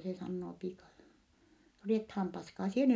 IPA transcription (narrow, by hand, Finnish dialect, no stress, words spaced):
se sɑnːoː piːkɑ no riethɑːm pɑskɑː sie